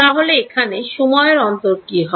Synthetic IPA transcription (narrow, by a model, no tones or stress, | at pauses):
aɦoleekʰaneʃɔmɔeɾɔnt̪oɾkiɦɔ